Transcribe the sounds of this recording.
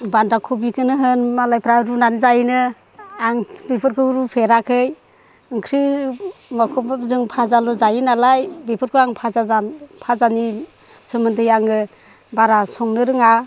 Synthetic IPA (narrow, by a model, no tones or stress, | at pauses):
bandakʰubikʰɯnɯɦɯnmalajpʰɾaɾunanzajnɯ | aŋbipʰɯɾkʰɯɾupʰeɾakʰɯj | ɯŋkʰɾɯ | makʰɔbzɯŋpʰazalɔzajinalajbipʰɯɾkʰɯaŋpʰazazapʰazani | sɯmɯntʰɯjaŋɡɯ | baɾasɔŋnɯɾɯŋa